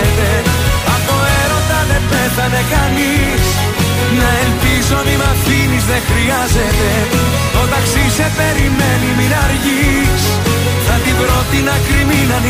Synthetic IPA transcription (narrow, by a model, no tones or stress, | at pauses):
t̪eɐfo̞eɾo̞nd̪ɐðe̞peθɐne̞kɐnis | nɐemfizoɐmimɐθinizðexɾiɐzet̪e̞ | ot̪ɐksisefeɾimeniminɐɾʝis | θɐt̪ibɾo̞t̪inɐkɾiminɐn